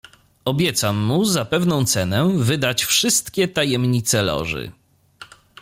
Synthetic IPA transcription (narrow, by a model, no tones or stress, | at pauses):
ɔbʲjɛt̪samːuzapɛvnɔ̃w̃t̪sɛnɛvɘd̪at͡ɕfʂɘst̪kʲɛt̪ajɛmɲit̪sɛlɔ̰ʐɘ̰